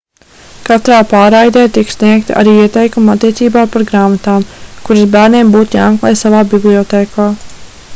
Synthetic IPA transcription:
kat̪ɾaːpaːɾajd̪ɛːt̪iksnʲiɛk̚t̪aa̰ɾiːiɛt̪ɛjkumat̪ːiɛt̪siːbaːpaɾɡɾaːmat̪aːmkuɾisbæːɾneːmbuːt̪jaːmklˠɛ̰ːjsavaːbiblˠiɔt̪eːkʰaː

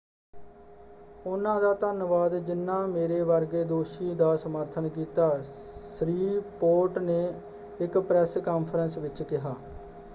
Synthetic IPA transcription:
ʊnãːd̪aːt̪ənʋaːd̪d͡ʒɪnːãːmeːɾeːʋəɾɡeːd̪oːʃiːd̪aːsəməɾt̪ʰənk̬iːt̪aːsɾiːpoːʈneː | ɪkpɾɛskaːnpʰəɾənsʋɪt͡ʃkɪɦaː

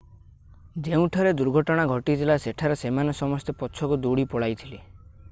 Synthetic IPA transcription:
d͡ʒeũʈʰɔɾed̪uɾɡʱɔʈɔɽ̃aɡʱɔʈit̪ʰilaseʈʰaɾɔsemanɔsɔmɔst̪epɔt͡ʃʰɔkud̪uɽipɔɽajt̪ʰili

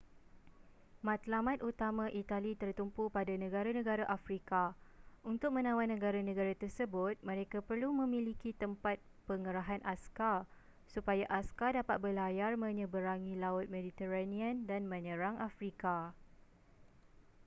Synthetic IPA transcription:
mãt̪lamãt̪ut̪amãʔit̪alit̪ərt̪umpupadanə̃ɡaɾanə̃ɡaɾaʔafɾikaunt̪ʊk̚mə̃nãwannːə̃ɡaɾanə̃ɡaɾat̪ərsəbʊt̪̚mə̃ɾekapərlumə̃mĩlikit̪əmpat̪̚ | pəŋəɾaɦanʔaskar | supajaʔaskadapat̪̚bəlajarmə̃ɲə̃bəɾaŋĩlaʊt̪̚medit̪əɾanĩãndanmə̃ɲə̃ɾaŋʔafɾika

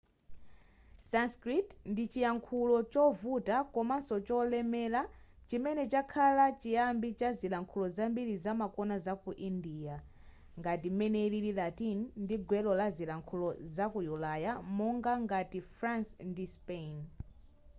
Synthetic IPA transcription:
sanskɾitndit͡ʃijaŋkʰulɔt͡ʃɔvutakɔmasɔt͡ʃɔlɛmɛla | t͡ʃimɛnɛt͡ʃakʰalat͡ʃijambit͡ʃazilaŋkʰulɔzambiɾizamakɔnazakuʔindiːja | ŋɡatimɛnɛilililatinndiɡwɛlɔlazilaŋkʰulɔzakujulajamɔŋɡaŋɡatifɾansndispen

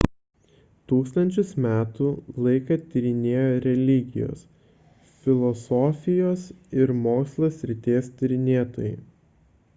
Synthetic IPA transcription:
t̪uːkst̪ɐnʲt͡ʃʲʊsmʲæːt̪uːlˠɐɪkɐt̪ʲɪɾʲɪnʲeːjoːɾʲɛlʲɪɡʲɪ̰jo̰ːs | fʲɪlˠɔsɔːfʲɪjoːsɪɾmoːkslˠosʲɾʲɪt̪ʲeːst̪ʲɪɾʲɪnʲeːt̪o̰ːjɛ̰ɪ

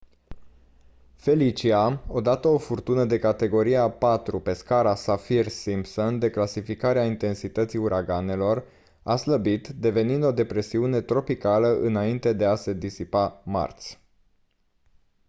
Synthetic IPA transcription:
fe̞lit͡ʃiao̞d̪at̪əo̞furt̪unəd̪e̞kat̪e̞ɡo̞ɾiapat̪ɾupe̞skaɾasafirsimpsond̪e̞klasifikaɾeaint̪e̞nsit̪ət̪siuɾʔaɡane̞lo̞r | asləbit̪d̪e̞ve̞nind̪o̞d̪e̞pɾe̞siune̞t̪ɾo̞pikaləʔɨnaint̪e̞d̪e̞ase̞d̪isipama̰rt̪sʲ

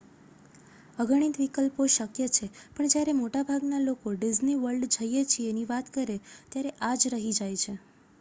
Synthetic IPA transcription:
əɡəɳ̃it̪ʋikəlpoʃəkjət͡ʃʰepəɳd͡ʒjaɾemoʈabʱaɡnalokoɖizniʋəɾɖd͡ʒəjet͡ʃʰieniʋat̪kəɾet̪jaɾeʔad͡ʒɾəɦid͡ʒajt͡ʃʰe

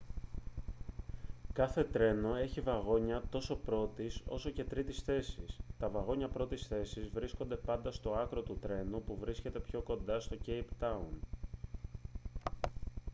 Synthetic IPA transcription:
kɐθe̞t̪ɾe̞no̞e̞çivɐɣo̞ɲɐt̪o̞so̞pɾo̞t̪iso̞̰so̞ce̞t̪ɾit̪isθe̞sist̪ɐvɐɣo̞ɲɐpɾo̞t̪isθe̞sizvɾisko̞nd̪e̞pɐnd̪ɐst̪o̞ɐkɾo̞t̪ut̪ɾe̞nupuvɾisce̞t̪e̞pço̞ko̞nd̪ɐst̪o̞ce̞jpt̪ɐun

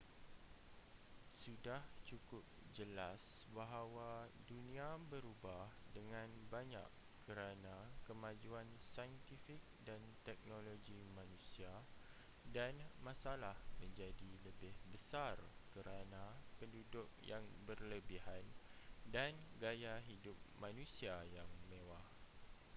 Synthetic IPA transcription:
sudaht͡ʃukʊp̚d͡ʒəlasbaɦawadunĩabəɾubahdəŋãnbaɲa̰kː | əɾanãkəmãd͡ʒuansajənt̪ifik̚dant̪ɛk̚noloɡimãnũsia | danmãsalahmə̃ɲd͡ʒadiləbɪhbəsarkəɾanãpəndudʊk̚jaŋbərləbiɦandanɡajaɦidʊp̚mãnũsiajaŋmewah

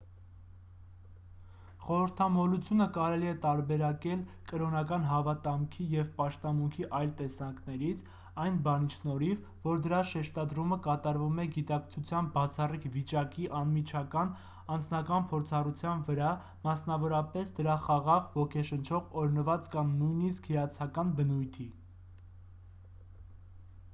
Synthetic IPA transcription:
χɔɾəɾt̪ʰɑmɔlut͡sʰjunəkɑɾɛliɛt̪ɑɾbɛɾɑkɛlkəɾɔnɑkɑnɦɑvɑt̪ɑmkʰijɛvpɑʃt̪ɑmuŋkʰiʔɑjlt̪ɛsɑŋknɛɾit͡sʰ | ɑjnbɑnit͡ʃʰnɔɾiv | vɔɾd̪əɾɑʃɛʃt̪ɑd̪ɾuməkɑt̪ɑɾvumɛɡit̪ɑkt͡sʰut͡sʰjɑn̚bɑt͡sʰɑrikʰvit͡ʃɑkiʔɑnmit͡ʃʰɑkɑn | ɑnd͡znɑkɑnpʰɔɾt͡sʰɑrut͡sʰjɑnvəɾɑ | mɑsnɑvɔɾɑpɛsd̪əɾɑχɑʁɑʁvɔkʰɛʃənt͡ʃʰɔʁɔɾnəvɑt͡skɑmnujniskhijɑt͡sʰɑkɑnbənujt̪ʰi

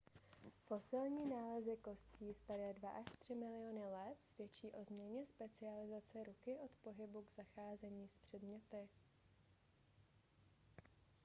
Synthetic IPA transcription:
fo̞sɪlɲiːnaːlɛzɪko̞sciːsp̪aɾɛːdvaʔaʃt̪r̝̥ɪmɪlɪjo̞nɪlɛt̪svjɛt͡ʃiːʔo̞zmɲɛɲɛspɛt͡sɪalɪzat͡sɛɾukɪʔo̞t̪po̞ɦɪbuɡz̥axaːzɛɲiːspr̝̥ɛdmɲɛt̪ɪ

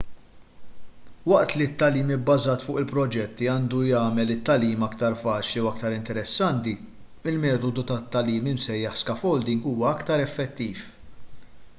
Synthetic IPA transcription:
wɐʔt̪lit̪ːɐliːmɪbːɐzɐːt̪fʊːʔɪlpɾɔd͡ʒɛt̪ːiɐːnd̪ujɐːmɛlɪt̪ːɐliːmɐkt̪ɐɾfɐːt͡ʃliuɐkt̪ɐɾɪnt̪ɛɾɛsːɐnt̪i | ɪlmɛːt̪ɔd̪ut̪ɐt̪ːɐliːmɪmsɛjːɐħskɐfɔwld̪ɪŋɡuːwɐɐkt̪ɐɾɛfːɛt̪ːiːf

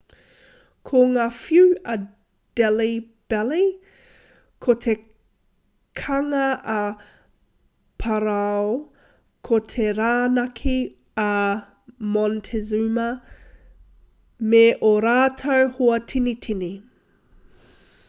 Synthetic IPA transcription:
kʰoŋaːfjʉɐ | d̥ɛli | b̥ɛli | kʰotʰe | kʰɐŋɐʔɐ | pʰɐɾao | kʰot̪ʰeɾaːnɐkʰi | ɐ | mɔntʰezumɐ | meʔoɾaːtʰɐwhoɐtʰinitʰini

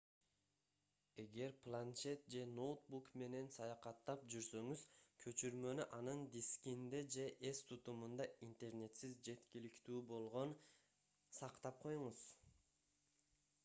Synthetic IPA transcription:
e̞ɡe̞ɾplˠant͡ʃe̞t̪̚d͡ʒe̞no̞wt̪bukme̞ne̞nsɑjɑqɑt̪ːɑp̚d͡ʒyɾsø̞ŋyz̥kʰø̞t͡ʃyɾmø̞nyʔɑnɯnd̪ʲiskʲind̪ed͡ʒe̞ʔe̞st̪ʰut̪umund̪ɑint̪e̞ɾne̞t̪sizd͡ʒe̞t̪kʲilikt̪yːbo̞lˠʁo̞n | sɑqt̪ɑp̚qʰo̞juɴuz

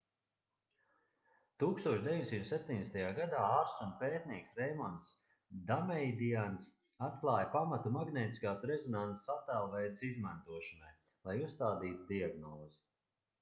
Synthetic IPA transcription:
t̪uːkst̪uɔʃd̪ʲeviɲʲsimt̪sep̚ʲt̪ʲiɲʲd̪ɛst̪ajaːɡad̪aːaːɾsunpeːt̪̚niɛksɾɛjmɔns | d̪amɛjd̪ians | at̪̚klˠaːjpamat̪umaɡnɛːt̪i̥skaːsɾɛzɔnansat̪alˠvɛjd̪sizmant̪uɔʃanaj | lˠajusst̪aːd̪iːt̪ud̪iaɡnɔːzi

